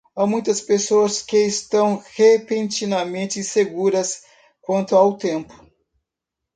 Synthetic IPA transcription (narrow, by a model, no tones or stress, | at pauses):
amũj̃t̪ɐspesoɐskeːst̪ɐ̃w̃hepẽnt͡ʃinɐmẽnt͡ʃ̪ɪseɡuɾɐs | kwɐ̃nt̪ʊawt̪ẽmpʊ̥